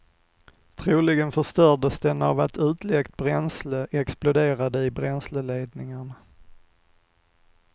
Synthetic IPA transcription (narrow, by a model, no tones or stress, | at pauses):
t̪ʰɾuːlɪɡənfœʂt̪œɖəsd̪ɛna̰vat̪ʉ̟ːt̪lɛkt̪̚bɾɛnsləʔɛksplʊd̪eːɾad̪əɪbɾɛnsləleːd̪nɪŋəɳ